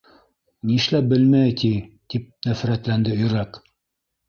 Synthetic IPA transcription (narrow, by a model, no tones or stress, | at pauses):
nĭʃlæp̚bɘlmæjt̪it̪ip̚næfɾæt̪lænd̪ɘɵ̆jɾæk